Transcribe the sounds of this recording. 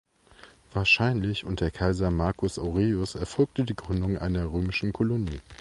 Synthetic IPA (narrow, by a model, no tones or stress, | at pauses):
v̥aːɐʃaɪnlɪçʊnt̚d̥eːɐkʰaɪzɐmaɐkʰʊsʔaʊʁeːʊsɛɐfɔlk̚tədiːɡʁʏndʊŋʔa̰ɪnɐʁøːmɪʃn̩kʰɔloniː